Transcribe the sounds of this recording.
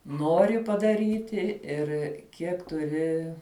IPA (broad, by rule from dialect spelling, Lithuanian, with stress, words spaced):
ˈnoːrʲɪ pɐdɐˈrʲiːtʲɪ ˈɪr kʲiɛk tʊˈrʲɪ